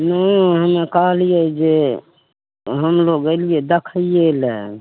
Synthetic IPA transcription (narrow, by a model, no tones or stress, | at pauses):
nəiɦəmẽkəɦlied͡ʒe | ɦəmloːɡelied̪əkʰijelɛ